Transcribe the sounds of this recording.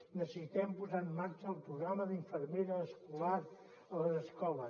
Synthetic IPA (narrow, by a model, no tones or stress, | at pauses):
nəssit̪ɛmpuzamːaɾt͡ʃəːlˠpɾuɣɾaməðiɱfəɾmeɾəːskulaɾ | ələzəskɔlə